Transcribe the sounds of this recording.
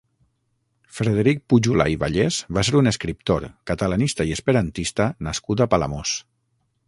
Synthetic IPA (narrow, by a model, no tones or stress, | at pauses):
fɾeðeɾik̚puʒula̰iβaʎezβaseɾunəskɾip̚t̪oɾkat̪əlanist̪aiəspəɾant̪ist̪ənaskut̪̬apala̰mos